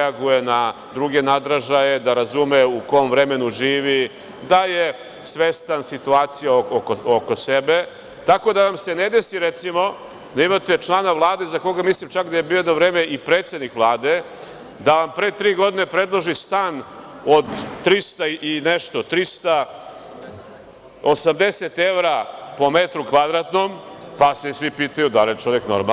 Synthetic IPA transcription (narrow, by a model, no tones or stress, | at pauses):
aɡuje̞na | d̪ɾuɡe̞nad̪ɾaʒaje̞d̪aɾazumeuko̞mʋɾeme̞nuʒiːʋi | d̪aje | sʋest̪ansit̪uaːt̪sijaokooko̞sebe̞ | t̪ako̞d̪aʋamse̞ne̞d̪e̞siɾet̪simo̞ | d̪aimat̪e̞t͡ʃlˠaːnaʋlˠaːd̪e̞zako̞ɡamislimt͡ʃakd̪aje̞biːojed̪novɾe̞ːme̞ʔipɾe̞ːt̪sed̪nikʋlˠaːd̪e̞ | d̪aʋampɾeːt̪ɾiːɡo̞d̪ine̞pɾe̞d̪lˠoʒist̪aːn | od̪ːɾist̪aiʔineʃt̪o̞t̪ɾist̪a | osamd̪eset̪e̞ʋɾapo̞met̪ɾukʋad̪ɾat̪nompasesʋipiːt̪ajud̪alijet͡ʃo̞ʋeknoɾma